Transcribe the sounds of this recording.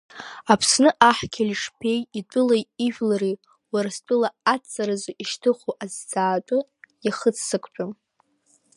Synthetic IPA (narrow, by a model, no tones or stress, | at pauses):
apʰsnɨʔaħkʲʰalʲʂpʰe̞jitʷʼʊlajiʒᶣlari | waɾastʷʼʊlaat͡sʼːaɾɨzoʔiʃtʰɨχʷoʔazd͡zaːtʷʼʊjaχət͡sʰsɨkʷʼt͡ʃʷʼam